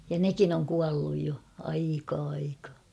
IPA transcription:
jɑ nekin oŋ kuɑlːuj jo ɑikɑː ɑikɑː

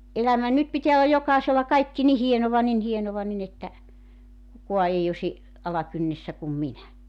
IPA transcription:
ʔelæmæ nyt pitiæ olːɑ jokɑˑeselːɑ kɑikːi ni hienoʋɑ nin hienoʋɑ nin etːæ kukuɑ ei osi ɑlɑkynːesːæ kum minæ

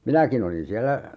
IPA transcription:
minækin olin siælæ

